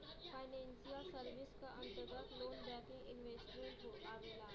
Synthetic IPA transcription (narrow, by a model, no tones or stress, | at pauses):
fʰaɪnɛ̃nsijəsəɾʋɪskaʔɐ̃nt̪əɾɡət̪loːnbɛ̃ːkɪ̃ŋɡɪnʋeːsʈɾiəboːkaːʋeːlaː